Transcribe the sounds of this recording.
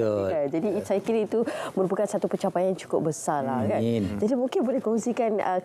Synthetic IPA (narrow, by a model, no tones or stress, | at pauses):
kand͡ʒadiːsajkilit̪umə̃ɾupakansat̪upət͡ʃapajant͡ʃu̥kʊp̚bəsalakand͡ʒadimũŋkɪnbolɛhkɔŋsikanə̰